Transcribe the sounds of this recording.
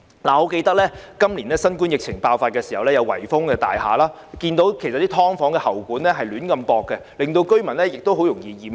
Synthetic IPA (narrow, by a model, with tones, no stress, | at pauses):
laː˨˩ɔ˨˥ke˧jt̪ɐ˥k̚lɛː˥kɐ˥mliː˨˩nlɛ˦˥sɐ˥nkuː˥njɪ˨k̚t͡sʰɪ˨˩ŋpaː˧wfaː˧t̚kɛː˧si˨˩ɐ˨wlɛː˥jɐ˨˧wɐ̰˨˩jfʊ˥ŋkɛː˧t̪a̰ː˨jha̰ː˨laː˥ | kiː˧nt̪o˨˥wkʰe˨˩jsɐ˨t̪̚i˥t̪ʰɔː˥ŋfɔː˨˥ŋkɛ˧hɐ˨˩wkuː˨˥nlɛ˥ɦɐ˨jlyː˨˥nkɐ˧mpɔː˧kːɛ˧lɪ˨ŋt̪o˧wkɵ˥ɥmɐ˨˩nlɛ˥jɪ˨k̚t̪o˥wɦo˨˥wjʊ˨˩ŋjiː˨˧jiː˨˧m